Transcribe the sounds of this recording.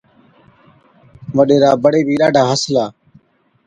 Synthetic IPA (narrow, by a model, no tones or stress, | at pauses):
ʋəɗeːɾaːbəɽeːbʱiːɗaːɖʱaːɦəslaː